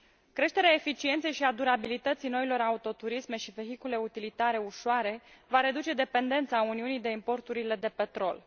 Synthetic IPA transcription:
kɾe̞ʃt̪e̞ɾeae̞fit͡ʃient̪sejʃiad̪uɾabilit̪ət̪sijno̞ilo̞ɾaut̪o̞t̪uɾisme̞ʃive̞ɦikule̞ut̪ilit̪aɾe̞uʃoaɾe̞vaɾe̞d̪ut͡ʃe̞d̪e̞pe̞nd̪e̞nt̪sauniunijd̪e̞impo̞rt̪uɾile̞d̪e̞pe̞t̪ɾo̞l

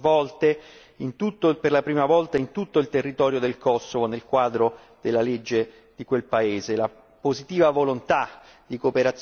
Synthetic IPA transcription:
vɔlt̪e | int̪ut̪ːoperlapɾiːmavɔlt̪aint̪ut̪ːoilt̪erːit̪ɔːɾjod̪elkɔsːovonelkwaːd̪ɾo | d̪̥elːaled͡ʒːe | d̪̥ikwelpaeːzela | pozit̪iːvavolont̪a | d̪̥ikopeɾat̪s

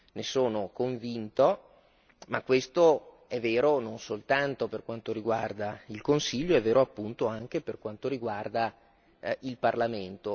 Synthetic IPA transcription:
nesoːnokoɱvint̪o | makːwest̪o | ɛvːeːɾononsolt̪ant̪operkwant̪oɾiɡward̪ailkonsiʎːoɛvːeːɾoapːunt̪oaŋk̟eperkwant̪oɾiɡward̪a | ilparlament̪o

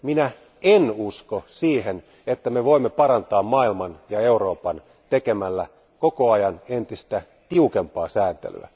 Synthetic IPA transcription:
minæ | enuskosiːhen | et̪ːæmeʋoimːepɑɾɑnt̪ɑːmmɑːilmɑnjɑeuɾo̞ːpɑn | t̪ekemælːæ | kokoɑjɑnent̪ist̪æ | t̪iukempɑːsæːnt̪ḛly̰æ̰

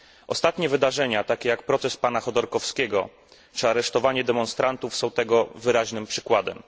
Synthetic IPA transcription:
ʔɔst̪at̪ɲɛvɘd̪aʐɛɲat̪akʲɛjak̚pɾɔt̪sɛspanaxɔd̪ɔɾkɔfskʲɛɡɔ̰ | t͡ʂɘaɾɛʂt̪ɔvaɲɛd̪ɛmɔnst̪ɾant̪ufsɔ̃w̃t̪ɛɡɔvɘɾaʑnɘmpʂɘ̥kwad̪ɛ̰m

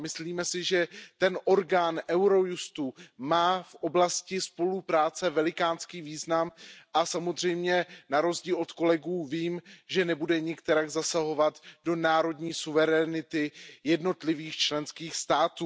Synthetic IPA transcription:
mɪsliːmɛsɪʒɛt̪ɛnʔo̞ɾɡaːnʔɛwɾo̞just̪umaːfʔo̞blascɪspo̞lupɾaːt͡sɛvɛlɪkaːnskiːviːznamʔasamozr̝ɛjmɲɛnaɾo̞zɟiːlot̪ko̞lɛɡuːviːmʒɛnɛbudɛɲɪkt̪ɛɾaɡzasaɦo̞vat̪do̞naːɾo̞dɲiːsuvɛɾɛnɪt̪ɪjɛdno̞t̪lɪviːxt͡ʃlɛnskiːxst̪aːt̪uː

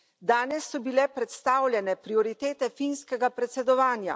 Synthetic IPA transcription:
d̪aːnɛsːɔbilɛpɾɛt̪st̪aːwlʲjɛnɛpɾiɔɾit̪eːt̪ɛfinskɛɡapɾɛt̪sɛd̪ɔʋaːnja̰

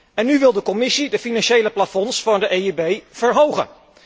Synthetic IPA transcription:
ɛnːyʋɪlˠdəkɔmɪsidəfinɑnʃejləplafɔnsfɑndəʔejibejv̥əɹɦowχə̰n

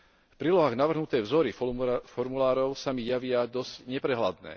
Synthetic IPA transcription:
fpɾiːlɔɦaːɣnaʋr̩ɦnut̪ɛːʋzɔɾifɔɾmulaːɾɔʊsamijaʋɪad̪ɔzcɲɛpɾɛɦlad̪nɛ̰ː

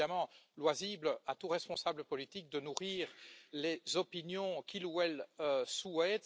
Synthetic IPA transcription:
amɑ̃lwaziblat̪uʁɛspɔ̃sabləpɔlit̪ik̚d̪ənuʁiːʁlezɔpinjɔ̃kʲiluɛløsuɛt̪

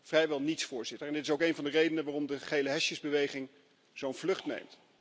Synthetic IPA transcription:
v̥rɛjʋɛlˠnitsfʊːɹz̥ɪtəɹɛndɪtɪs̬owkejnvɑndərejdənəʋaːrɔmdəχejləɦɛʃjəzbəʋejχɪŋ | z̥ownv̥lɵχtnḛjmt

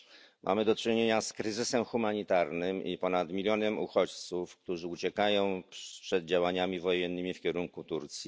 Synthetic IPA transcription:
mʔa̰mɘd̪ɔt͡ʂɘɲeɲaskɾɘzɘsɛmxumaɲit̪aɾnɘmipɔnat̪mʲilʲjɔnɛmṵxɔt͡ɕt̪sufkt̪uʐɘut͡ɕɛkajɔ̃w̃pʂɛd̪̚d͡ʑawaɲamʲivɔjɛnːɘmʲifkʲɛɾuŋkut̪uɾt̪sʲji

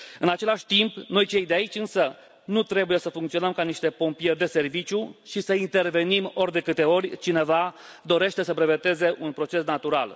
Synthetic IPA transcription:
ɨnat͡ʃe̞laʃʲt̪impno̞jt͡ʃe̞jd̪eait͡ʃʲɨnsə | nut̪ɾe̞buje̞səfuŋkt̪sio̞nəmkaniʃt̪e̞po̞mpije̞rʲd̪e̞se̞rvit͡ʃʲjuʃisəint̪e̞rve̞nimo̞rʲd̪e̞kɨt̪e̞o̞rʲt͡ʃine̞va | d̪o̞ɾe̞ʃt̪e̞səpɾe̞ve̞t̪e̞ze̞ʔunpɾo̞t͡ʃe̞snat̪uɾa̰l

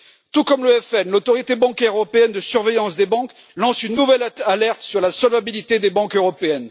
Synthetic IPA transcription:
t̪ukɔmləɛfɛnlot̪ɔʁjet̪ebɑ̃kʲɛʁøʁɔpeɛnd̪əsyʁvejɑ̃sd̪ebɑ̃k | lɑ̃synːuvɛlalɛʁt̪syʁlasɔlvabilit̪ed̪ebɑ̃køʁɔpeɛn

